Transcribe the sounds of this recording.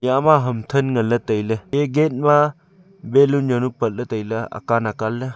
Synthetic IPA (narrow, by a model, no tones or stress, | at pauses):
jamaɦɐmtʰɐnŋɐlɐtəjlɐeɡet̚ma | belunjɔnupət̚lətəjlɐa̰kanakalːɐ